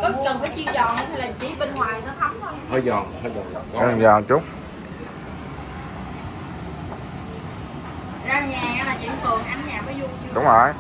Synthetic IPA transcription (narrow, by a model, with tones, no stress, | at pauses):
kɔ˨˦kə˨˩nfaː˨˦jt͡ɕi˧zɔ̰˧˨nhə˨˦t̪ʰi˧˩laː˨˩mt͡ɕi˨˦ɓe˧nŋwaː˨˩jnɔ˨˦t̪ʰə˨˦wŋ͡mxə˧wŋ͡mhəː˧jzɔ̰˧˨˩nhəː˧jzɔ̰˨˩˨zaː˨˩t͡ɕʊ˦˥k͡p̚ | zaː˧ɲaː˨˩˨laː˨˩t͡ɕḭ˧˩nt̪ʰɨ˨˩əŋʔa˧˦nɲaː˨˩və˨˦jzu˧ | ɗʊ˨˦ŋ͡mhəː˧˩j